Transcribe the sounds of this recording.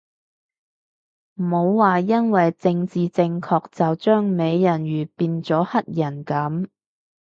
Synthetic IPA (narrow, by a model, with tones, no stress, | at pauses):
m̩˨˩ho˨˧wːaː˨jɐ˥nwɐ˨jt͡sɪ˧ŋt͡siː˨t͡sɪ˧ŋkʰɔː˧k̚t͡sɐ˨wt͡ʃœː˥ŋme˨˧jjɐ˨˩nɥyː˨˩piː˧nt͡sɔː˨˥hɐ˥t̚jɐ˨˩nkɐ˨˥m